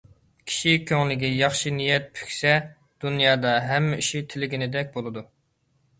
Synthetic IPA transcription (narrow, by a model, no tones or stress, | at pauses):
kʲʰi̥ʃikʲʰøŋlɪɡʲijɑχʃinijɛt̪̚pʰy̥kʲsɛ | d̪̥unjɑːd̪ɑɦɛmːɛiʃit̪ʰɪlɪɡʲinɪd̪ɛk̚ʲbolˠɨd̪u